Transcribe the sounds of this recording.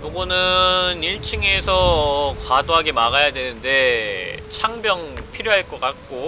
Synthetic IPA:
joɡʌnɯniɭt͡ɕʰɯŋe̞sʰʌkwadoɦaɡemaɣajadwenɯnde̞t͡ɕʰaŋbjʌŋpʰiɾjoɦaɭk͈ʌk͈ak̚k͈o

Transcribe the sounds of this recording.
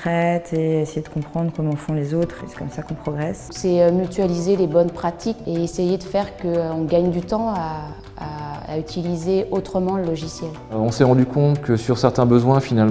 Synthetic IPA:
t̪χɛt̪ʰeesejed̪əkɔ̃pχɑ̃d̪ʁkɔmɑ̃fɔ̃lezot̪χesɛ̥kɔmsakɔ̃pχɔɡʁɛssɛømyt̪ɥalizelebɔnpχat̪ikeesejed̪əfɛʁkəɔ̃ɡaɲd̪yt̪ɑ̃aː | a̰yt̪ʰilizeʔot̪χəmɑ̃ləlɔʒisjɛlɔ̃sɛʁɑ̃d̪ykɔ̃t̪kəsyʁsɛʁt̪ɛ̃bəzwɛ̃final

